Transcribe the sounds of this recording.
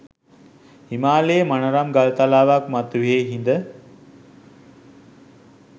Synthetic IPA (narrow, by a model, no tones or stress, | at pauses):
imaːleːmanəɾamɡalt̪alaːʋakmat̪uʋiɦeɦind̪ə